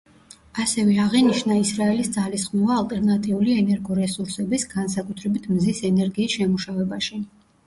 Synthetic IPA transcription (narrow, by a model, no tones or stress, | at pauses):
asɛvɛaʁɛniʃnaisɾaɛlisd̪zalisχnuvaːlt̪ʼɛɾnat̪ʼiuliɛnɛɾɡɔɾɛsuɾsɛbisɡansakʼut̪ʰɾɛbit̪ʰmzisɛnɛɾɡiːsʃɛmuʃavɛbaʃi